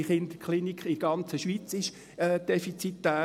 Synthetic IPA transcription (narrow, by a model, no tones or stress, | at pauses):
ɪχɪnd̥̪əkʰχlinikχɪɡ̥ɑnt͡səʃʋiːt͡sɪʃ | ɛd̥ɛfit͡sit̪dæː